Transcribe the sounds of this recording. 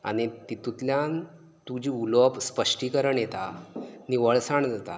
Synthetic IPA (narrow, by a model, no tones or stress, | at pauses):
a̰ñit̪it̪ut̪ljan | t̪ud͡ʑiːulɔpspəʂʈiːkəɾəɳjet̪a̰niʋəɭsaɳd͡zat̪a̰